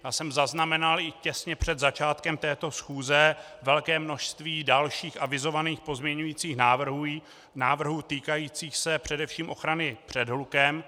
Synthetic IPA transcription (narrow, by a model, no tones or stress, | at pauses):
jaːsɛmzaznamɛnalʔɪcɛsɲɛpr̝̥ɛd̪zat͡ʃaːt̪kɛmt̪ɛːt̪o̞sxuːzɛvɛlkɛːmno̞ʃst̪viːdalʃiːxʔavɪzo̞vaniːxpo̞zmɲɛɲujiːt͡siːxnaːvr̩ɦu | naːvr̩ɦut̪iːkajiːt͡siːxsɛpr̝̥ɛdɛfʃiːmʔo̞xɾanɪpr̝̥ɛdɦlukɛm